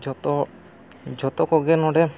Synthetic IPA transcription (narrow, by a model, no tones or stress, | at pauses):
d͡ʒɔt̪ɔ | d͡ʒɔt̪ɔkɔɡɛnɔɖɛ